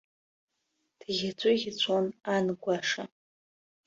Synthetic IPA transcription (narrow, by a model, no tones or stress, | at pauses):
d̥ɣʲat͡sʷʼʊɣʲɪt͡ɕʷʼonanɡʷaʂa